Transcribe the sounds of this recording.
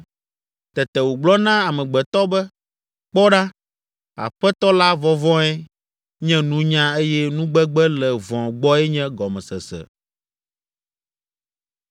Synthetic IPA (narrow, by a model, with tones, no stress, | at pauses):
t̪ɛ˨t̪ɛ˨wo˨ɡ͡blɔ˦nã˦a˨mɛ̃˨ɡ͡bɛ˨t̪ɔ˦bɛ˦ | k͡pɔ˦ɖa˦ | a̰˨ɸɛ˦t̪ɔ˦la˦vɔ˦vɔ̃˦ɛ˦ | ɲɛ̃˦nũ˦ɲã˦e˦jɛ˦nũ˦ɡ͡bɛ˦ɡ͡bɛ˦lɛ˨vɔ̃˨ɡ͡bɔ˦ɛ˦ɲɛ̃˦ɡɔ˨mɛ̃˨sɛ˨sɛ̰˨